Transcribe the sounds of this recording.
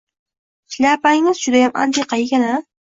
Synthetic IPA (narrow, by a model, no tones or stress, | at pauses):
slʲapaŋɪzd͡ʒʊd̪ajamʔa̰nd̪iqʰɑjɡʲana